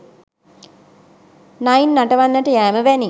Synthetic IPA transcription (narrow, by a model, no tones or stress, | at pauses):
najnːaʈəʋanːəʈəjæːməʋæni